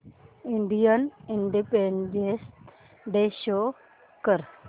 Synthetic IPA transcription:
iɳɖijəniɳɖipeɳɖes | ɖeɕo | kəɾ

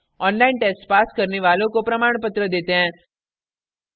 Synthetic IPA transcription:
ɔnlainʈesʈpaskəɾneʋalokopɾəmaɳpət̪ɾəd̪et̪ẽ

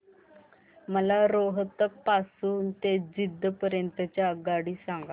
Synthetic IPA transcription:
məlaɾoɦət̪ːək̚pasuːnt̪ed͡ʑid̪ʱːəpəɾjənt̪ət͡ɕjaɡaɽiːsaŋɡa

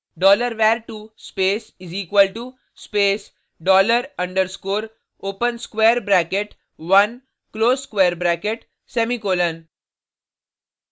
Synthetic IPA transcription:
ɖɔːləɾʋɛːɾʈuspeːsɪziːkwəlʈu | speːs | ɖɔːləɾɐ̃ɳɖəɾskoːɾ | oːpə̃nskʋeːɾbɾæːkeʈ | ʋɐ̃n | kloːzskʋeːɾbɾæːkeʈ | sɛmikoːlə̃n

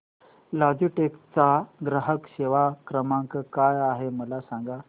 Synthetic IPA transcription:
lad͡ʑuʈekt͡saɡɾəɦəkɕeʋakɾəmãŋkkajaɦeməlasãŋɡa

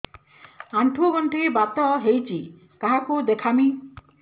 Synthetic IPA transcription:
aɳʈʰuɔɡɔɳʈibat̪ɔɦejt͡ʃʰi | kaɦakud̪ekʰami

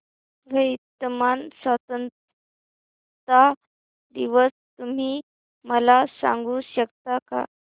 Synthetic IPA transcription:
ʋʱəjit̪əmansat̪ənt̪ | t̪a | d̪iʋəst̪um̤iː | məlasã̰ŋɡuːɕəkt̪aka̰

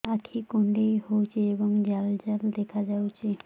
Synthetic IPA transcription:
akʰikoɳɖejhowt͡ʃʰeebɔŋd͡ʒald͡ʒald̪ɛkʰad͡ʒawt͡ʃʰe

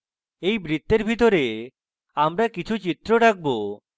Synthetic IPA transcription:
ejbɾit̪ːeɾbʱit̪oɾe | amɾakit͡ʃʰut͡ɕit̪ɾoɽak̚bo

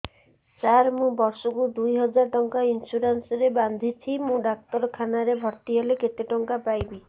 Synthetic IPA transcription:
t͡ʃaɾmũbɔɾsɔkud̪ujɦɔd͡ʒaɾʈɔŋkainsuɾansɔɾeband̪ʱit͡ʃʰimũɖak̚t̪ɔɾɔkʰanaɾebʱɔɾt̪iɦeleket̪eʈɔŋkapajbi

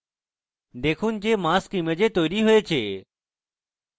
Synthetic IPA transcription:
d̪eːkʰuːnd͡ʒeːmaːskiməd͡ʒeːt̪oːjɾiːɦoet͡ʃʰeː

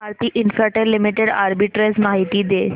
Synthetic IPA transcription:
aɾt̪iːʔinfaʈelːimiʈeɽaɾbiʈɾesmaɦit̪id̪e

